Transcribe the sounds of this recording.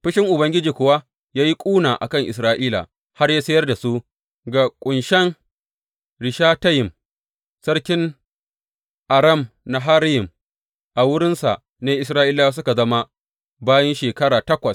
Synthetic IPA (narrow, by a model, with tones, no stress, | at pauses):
ɸɪ˦ʃɪ˦ŋʔʊ˨bɐ˦ŋɡʲɪ˦d͡ʒiː˨kʷʊ˨wa˦ | jaː˦ji˦kʷʼuː˦naː˨ʔa̰˨kɐ˦˨ŋʔɪ̰˨s̬ɾaː˦ʔiː˦la̰˨ | ha˦rjaː˦sɐ˦jɐ˦rda˨su˦ | ɡa˨kʷʼʊ˨nʃɛ˦ŋ | ɽɪ˨ʃaː˦tɐ˦jɪ˨m | sɐ˦rkʲɪ˦n | ʔa˨ɾɐ˦˨mna˨ɦa˦ɾjɪ˨m | ʔa˨wʊ˦ɽɪ˦nsa̰˨ʔ | neː˦ʔɪ˨sɾaː˦ʔɪ˦lːa˦a˦s̬ʊ˦ka˨zɐ˦ma˦ | baː˦jɐ˦nʃeː˨kɐ˦ɽaː˨tɐ˦kʷɐ˨s